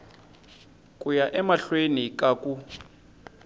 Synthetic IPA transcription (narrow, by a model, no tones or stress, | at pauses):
kʼujaʔɛmaɬwenikʼakʼu